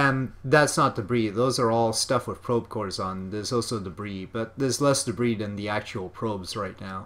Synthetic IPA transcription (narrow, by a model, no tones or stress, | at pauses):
ɨ̃nðætsnət̚d̥ɨbɹiðoʊzə˞ɔlˠstʌfwəð̥pʰɹ̥oʊb̥̚kʰɔɹzn̩ðə˞zɔlˠsoʊdəbɹib̥ʌt̪̚ðə˞zlɛsd̥ɨbɹiðɨ̃nðiæk̚t͡ʃul̩ˠpʰɹ̥oʊbz̥ɹaɪtⁿnaʊ